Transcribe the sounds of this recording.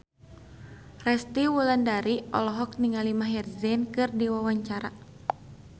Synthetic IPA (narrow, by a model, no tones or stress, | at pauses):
rɛst̪iwulandaɾiɔ̰lɔɦɔk̚niŋalimaɦɛrzɛnkɨrdiwawaɲt͡ʃaɾa